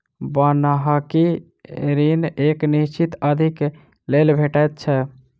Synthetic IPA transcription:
bənaɦaki | ɾineknist͡ʃit̪əd̪ʱik | lelbʱeʈajt̪̚t͡ʃʰɛ

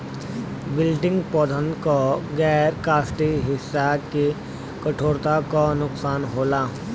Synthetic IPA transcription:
bɪlɖɪ̃ŋɡpɔːd̪ʱə̃nd̪koɡɛːɾkaːsʈiɦɪsːaki | kəʈʰoːɾt̪akanʊksaːnɦoːlaː

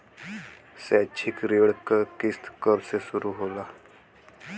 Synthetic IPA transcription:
sɛːt͡ʃʰɪkɾeːɽkəkɪst̪kəɾsesʊɾuɦoːlaː

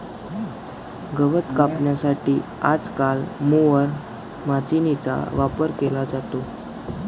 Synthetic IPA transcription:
ɡəʋət̪kapɳjasaʈiː | ad͡zkalmoʋəɾ | mat͡sinit͡sa̰ʋapəɾkelad͡zat̪o

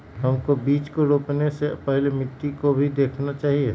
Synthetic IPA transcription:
ɦɐmkobiːt͡ʃkoɾoːpnesepɛɦlemɪʈ̪ːikobʱid̪eːkʰnat͡ʃaːɦie

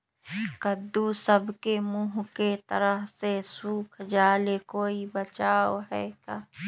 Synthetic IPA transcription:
kəd̪usəbkemuːɦket̪əɾəɦsesuːkʰd͡ʒaːlekoːibət͡ʃaːoɦɛːkaː

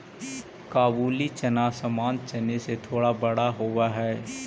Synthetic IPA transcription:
kaːbuːlit͡ʃɐnaːsəmaːnt͡ʃɐneset̪ʰoːɽabɐɽaɦowaɦɛː

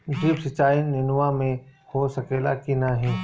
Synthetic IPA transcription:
d͡ʒiːbsɪt͡ʃːaːinɪnʋamẽhosɐkeːla̰kinaɦɛ̃ː

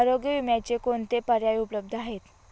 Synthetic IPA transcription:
aɾoɡjəʋumjat͡ɕekont̪epəɾjajupələb̚d̪ʱəaɦet̪

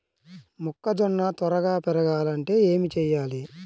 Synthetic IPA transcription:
mukːɐd͡ʒɔɳːɐt̪ɔɾɐɡaːpɛɾɐɡaːlɐɳʈe̞ːe̞ːmit͡ʃɛjːaːli

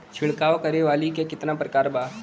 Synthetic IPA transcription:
t͡ʃʰɪɭkaːʋkəɾeʋaːlikekɪt̪napɾəkaːɾbaː

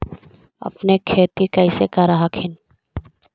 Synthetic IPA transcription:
ɐ̰pnekʰeːt̪ikɐɪsekaɾaɦakʰɪn

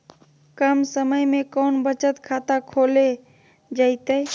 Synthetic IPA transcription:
kəmsəməjmekənbət͡ʃət̪kʰat̪akʰole | d͡ʒaɪt̪əj

